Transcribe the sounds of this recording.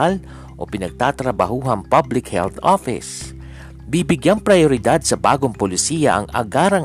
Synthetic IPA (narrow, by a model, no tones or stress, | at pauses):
al | ʔopɪnɐɡ̚t̪aːt̪ɾɐbɐhuːɦɐŋpablɪkhɛ̰lθʔofɪ̰s | bibɪɡjaŋpɾɐjoɾɪd̪ad̪̚sɐba̰ːɡoŋpolɪsiːjɐ̰ʔɐ̰ŋʔɐ̰ɡaːɾɐŋ